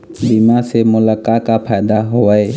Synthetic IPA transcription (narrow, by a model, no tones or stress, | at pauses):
bimasemʊlakakapʰaːd̪aɦoae